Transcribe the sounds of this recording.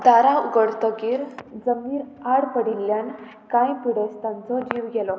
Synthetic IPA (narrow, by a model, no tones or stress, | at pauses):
d̪aɾauɡəɽt̪əɡiːɾd͡zəmiːɾaɽpəɽilːjan | kajpuɽest̪ãnt͡sɔd͡ʑiʋɡɛlɔ